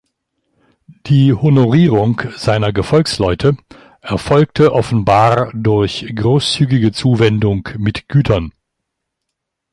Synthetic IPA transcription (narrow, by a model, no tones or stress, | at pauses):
d̥iːhonoʁiːʁʊŋkz̥aɪnɐɡəfɔlkslɔʏtʰə | ʔɛɐfɔlk̚tʰəʔɔfn̩baːʁdʊɐçɡ̥ʁoːst͡syːɡɪɡət͡suːvɛndʊŋkmɪtɡ̥yːtʰɐn